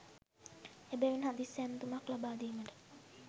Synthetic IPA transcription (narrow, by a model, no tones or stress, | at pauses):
ebeʋinɦad̪isːænːət̪umaklabaːd̪iːməʈə̥